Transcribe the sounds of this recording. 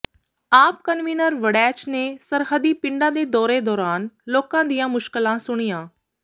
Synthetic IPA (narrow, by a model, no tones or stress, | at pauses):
aːpkənʋiːnəɾʋəɽɛːt͡ʃneːsəɾɦəd̪iːpɪɳɖãːd̪eːd̪ɔːɾeːd̪ɔːɾaːnloːkãːd̪ijãːmʊʃkəlãːsʊɽ̃ijãː